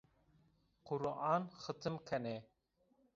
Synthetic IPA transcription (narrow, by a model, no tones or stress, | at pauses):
qʊɾʔaːnxɨt̪ʰɨmkʰɐne